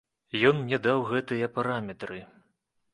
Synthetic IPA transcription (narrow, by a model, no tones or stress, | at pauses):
jɔnnʲɛd̪awɣɛt̪ɨjɐpaɾamʲɛt̪ɾɨ